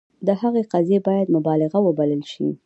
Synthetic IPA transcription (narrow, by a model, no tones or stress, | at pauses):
d̪əhaɣeqazjebɑjad̪mʊbɑlɪɣawəbaləlʃḭ